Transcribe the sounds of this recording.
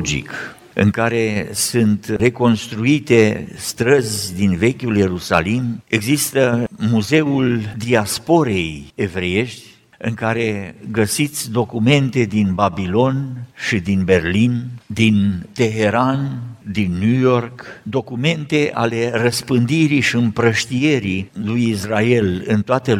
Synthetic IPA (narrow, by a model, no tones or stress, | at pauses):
d͡ʒḭk | ɨ̰ŋkaɾesɨnt̪re̞ko̞nst̪ɾuit̪e̞st̪ɾəzʲd̪inve̞kʲulje̞ɾusa̰limeɡzist̪əmuze̞uld̪iaspo̞ɾe̞je̞vɾee̞ʃt̪ʲ | ɨŋkaɾe̞ɡəsit̪sʲd̪o̞kume̞nt̪e̞d̪inbabilo̞nʃid̪inbe̞rlind̪int̪e̞ɦe̞ɾand̪inːujo̞rkd̪o̞kume̞nt̪e̞ʔa̰le̞rəspɨnd̪iɾiʃiɨmpɾəʃt̪ije̞ɾilujisrae̞lɨnt̪oat̪e